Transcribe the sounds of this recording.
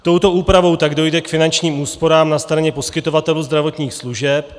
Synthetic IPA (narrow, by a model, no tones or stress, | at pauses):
t̪o̞wt̪o̞ʔuːpɾavo̞wt̪aɡdo̞jdɛkfɪnant͡ʃɲiːmuːspo̞ɾaːmnast̪ɾaɲɛpo̞skɪt̪o̞vat̪ɛluːzd̪ɾavo̞t̪ɲiːxsluʒɛp